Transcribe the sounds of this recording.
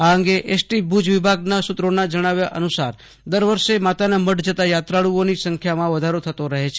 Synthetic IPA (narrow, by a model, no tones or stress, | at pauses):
aəŋɡeʔesʈibʱud͡ʒʋɪbʱaɡnasʊt̪ɾonad͡ʒəɽ̃aʋjaʔənusaɾ | d̪əɾʋəɾʃemat̪anaməʈd͡ʒət̪ajat̪ɾaɭuonisəŋkʰjamãʋəd̪ʱaɾot̪ʰət̪oɾəɦet͡ʃʰe